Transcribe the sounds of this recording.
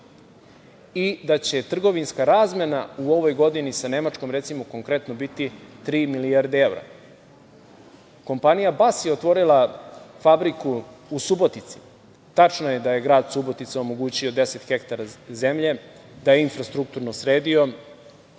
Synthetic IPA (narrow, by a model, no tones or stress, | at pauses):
id̪at͡ɕe̞t̪r̩ɡo̞ʋinskaɾaːzmenauo̞ʋo̞jɡo̞d̪inisane̞mat͡ʂko̞mɾet̪simoko̞ŋkɾe̞t̪nobit̪it̪ɾiːmilijaɾd̪ee̞vɾa̰ | ko̞mpanijabasjeot̪ʋo̞ɾilˠafabɾikuusubo̞t̪it̪si̥ | t̪at͡ʃnoje̞d̪aje̞ɡɾaːd̪subo̞t̪it̪sao̞mo̞ɡuːt͡ɕio̞d̪e̞se̞t̪xekt̪aɾaze̞mʎe̞ | d̪ajeinfɾast̪ɾuk̚t̪uɾnosɾeːd̪io̞